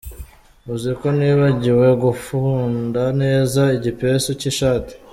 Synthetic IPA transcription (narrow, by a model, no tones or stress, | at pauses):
uziɾiko̞niːβaɟiwe̞ɡufuːndane̞ːzaiɟipeɾesociʃaːti̥